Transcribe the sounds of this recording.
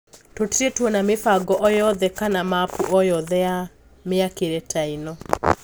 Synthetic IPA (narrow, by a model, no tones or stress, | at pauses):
totɾetwɔnamɪfaɡɔʔɔjɔðɛkanamapuʔɔjɔðɛja | mɪakeɾɛtainɔ